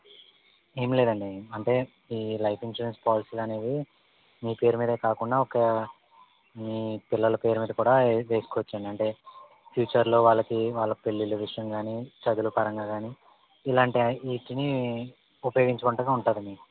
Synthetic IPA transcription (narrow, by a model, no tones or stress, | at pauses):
eːmle̞ːd̪ɐɳɖiɐɳʈe̞ː | iːlɐjpʰinʂuɾenspaːlisiːlɐne̞ːd̪i | miːpe̞ːɾumiːd̪ɐkaːkuɳɖaːɔkɐ | ipilːɐlɐpe̞ːɾumiːd̪ɐkuːɽaːʋe̞ːsukɔːʋɐt͡ʃːɐɳɖiɐɳʈe̞ː | pʰjuːt͡ʃɐɾlo̞ːʋaːɭːɐkiʋaːɭːɐpe̞ɭːiluʋiʂɐjɐŋɡaːnit͡ʃɐɡ̪ulupɐɾɐŋɡaːɡaːniː | laːɳʈiiːʈini | upɐjo̞ːɡiɲt͡ʃɐkuɳʈɐɡaːuɳʈaːd̪ɐnɖi